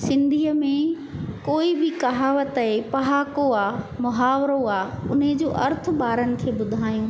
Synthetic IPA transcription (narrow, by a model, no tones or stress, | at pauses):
sɪ̃nd̪ʱiːəmẽ | koːibɪkɐɦaːʋət̪ɐɦepɐɦaːkoaːmʊɦaːʋɾoaːʊ̰ned͡ʑoːʔɐ̰ɾt̪ʰʊ̆ɓaːɾənɪ̆kʰeːbʊd̪ʱaːjũː